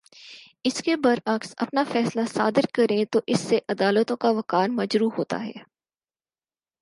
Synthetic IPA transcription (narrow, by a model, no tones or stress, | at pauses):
ɪskebɐɾɐɡsɐ̰pnafɛːslasaːd̪ɪɾkɐɾẽt̪oʔɪsːeʔɐd̪aːlət̪õkaʋɐkaːnmɐd͡ʒɾuːɦoːt̪a̰ɦɛ̰ː